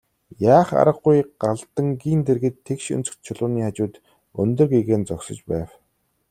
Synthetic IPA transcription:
jaːχa̰ɾə̆ɢujɢaɮt̪ə̆ŋɡiːnt̪erɣɘ̆t̪ʰːekʃɵ̰nt͡sɵ̆kt̪̚t͡ɕʰʊɮʊːniːχat͡ɕʊːt̪ | ɵnt̪ɵ̆rɡeɣeːnt͡sɔksɞ̆t͡ɕpæːw

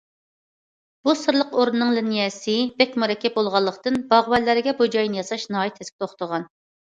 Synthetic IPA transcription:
b̥usɨɾlˠəqoɾunɨnɨŋlynjɛsɪbɛkʲmuɾɛkʲːɛp̚bolˠʁɑlˠːəqt̪ɨnbɑʁwɛlːæɾɪɡʲɛbud͡ʒɑjnɨjɑsɑʃnɑːjit̪ʰɛsk̚ʲt̪ʰoχt̪ʰəʁɑn

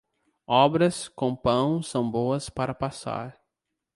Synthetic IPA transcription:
ɔbɾɐskõpɐ̃w̃sɐ̃w̃boɐspaɾɐpasa̰ɾ

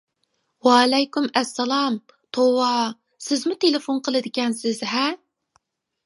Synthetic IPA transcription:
wɑlɛjkʲymɛsːɛlˠɑm | t̪ʰowɑ | sɪzmʊt̪ʰelɪfonqʰəlˠɨd̪ɪkʲɛnsɪz̥ɦɛ

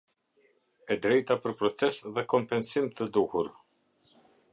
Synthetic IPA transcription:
ɛd̪ɾɛjt̪apəɾpɾɔt͡sɛsðɛkɔmpɛnsimt̪əd̪uhuɾ

